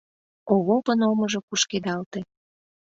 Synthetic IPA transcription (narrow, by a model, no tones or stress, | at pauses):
oβopənomɤʒokuʃked̪ɑlt̪ĕ